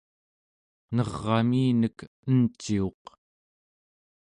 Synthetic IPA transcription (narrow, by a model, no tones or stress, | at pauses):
nʌʁːɑmiːnək | ənt͡ʃio̞q